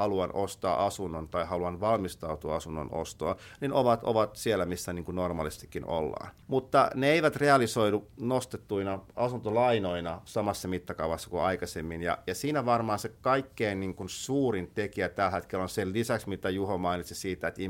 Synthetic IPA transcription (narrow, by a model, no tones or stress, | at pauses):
ɑluɑnost̪ɑːʔɑsunːont̪ɑihɑluɑnʋɑlmist̪ɑut̪uɑɑsunːo̰no̰st̪o̰ɑninoʋɑt̪o̰ʋɑt̪sielːæmisːæniːŋkunormɑ̰ːlise̥st̪i̥kːino̰lːɑ̰ːn | mut̪ːɑ̰neeiʋæt̪reɑlisoiɾunost̪et̪ːuinɑɑsunt̪olɑinoinɑsɑmɑsːɑmit̪ːɑkɑuʋɑsːɑ̥kuɑikɑsemːinjɑ̰jɑsiːnæʋɑrmɑːnsekɑikːeinniŋkunsuːrint̪ekiæt̪ælhæt̪kelonsellisæksmit̪æjuhomɑinit̪sisiːt̪æet̪i